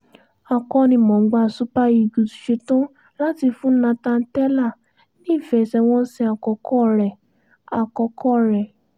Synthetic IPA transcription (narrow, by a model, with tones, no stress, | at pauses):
a˧˨kɔ˧nĩ˧mɔ̃˨ŋ̩˦ɡ͡ba˧˨su˨˦pa˦i˧˨ɡu˨tu̥˨ʃe˧tõ˦ | la˦ti˧fũ˦nã˧tã˧n̩˦tɛ˦la˦˨ | nĩ˦˨fɛ˨sɛ˧w̃ɔ̃˦n̩˦si˧˦a˨kɔ˧kɔ˦˨ɾɛ˨ | a˨kɔ˧kɔ˦ɾɛ˨